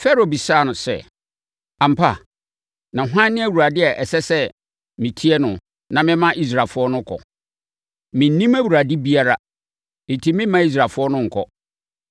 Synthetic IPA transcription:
fɛ˦ɾo˨bi˨saː˦˨nʊ̃˨sɛ̰˦ | ã˨m̩˨pʰa̰˨ | nã˨ɦã˦nː˦ɪ̃˦æ˦˨wu˨ɾa˨dɪ˦ɛ˨ʔɛ˨sɛ˦sɛ˦ | mɪ̃˨tʰi˦ɛ˦nʊ̃˨ | nã˨mɪ̃˦mã˦ʔi˦s̬ɾa˨lfʊ˦ɔ˦nʊ̃˦kʰɔ̰˨ | mɪ̃˨n̩˦nĩ˦mæ˦wu˨a˨di˦bi˦a˦ɾa˦ | nɪ˨tʰi˨mɪ̃˦mã˦i˦s̬ɾa˨lfʊ˦ɔ˦nʊ̃˦ŋ̩˨kʰɔ̰˦

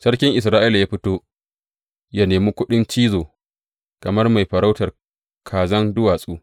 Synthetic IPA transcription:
sɐ˦rkʲɪ˦ŋʔɪ˨s̬ɾaː˦ʔi˦la˨jaː˦ɸɪ˦toː˦ | ja˦neː˨miː˦kʷʊ˦ɗɪ˦nt͡ʃiː˦zoː˨ | kɐ˨mɐ˦rma˨jɸɐ˨ɾa˦wtɐ˨r | kʰaː˨zɐ˦ndʊ˦waː˨sʼuː˦

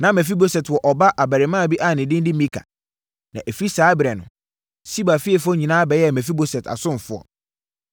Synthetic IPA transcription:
nã˨˦mɛ̃˨f̬i˦bo˨sɛ˨twɔ˨ʔɔ˨ba˦ʔa˨bæ˨ɾɪ˨˦mãː˦˨bi˦ʔa˦˨nɪ̃˨dɪ̃˦n˦dɪ˦mĩ˦kʰa̰˨ | nã˨ʔe˨fi˦saː˨˦bɾɛ̃˨nʊ̰̃˨ | si˦ba˨fi˦ɛ˨fʊ˦ɔ˦ɲĩ˨nãː˦bɛ˨˦jɛ˦˨mæ̃˨fi˦bo˨sɛ˨ta̰˨sʊ̃˦m˨fʊ˦ɔ̰˨

